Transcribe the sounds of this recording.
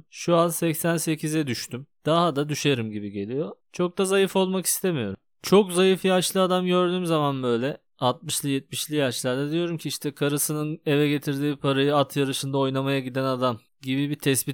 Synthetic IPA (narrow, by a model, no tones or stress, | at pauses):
ʃuansɛcsænse̞cʰizɛd̪yʃt̪ʰymd̪̥aɦad̪ad̪yʃe̞ɾimɟibiɟe̞lʲijo̞t͡ʃʰo̞k̚d̪azajɯfo̞lˠmaki̥st̪ʰe̞mijo̞ɾum | t͡ʃʰo̞kzajɯfjaʃlˠɯad̪amɟø̞ɾd̪yːmzamanbø̞jlʲɛ | at̪̚mɯʃlˠɯjɛt̪̚miʃlʲijaʃlˠaɾd̪ɛd̪ijo̞ɾumcʰiiʃt̪ʰɛkʰaɾɯsɯnɯne̞vɛɟe̞t̪ʰiɾd̪iːpʰaɾajɯat̪ʰjaɾɯʃɯnd̪ao̞jnˠamajaɟid̪ænad̪am | ɟibibit̪ʰɛsbit̪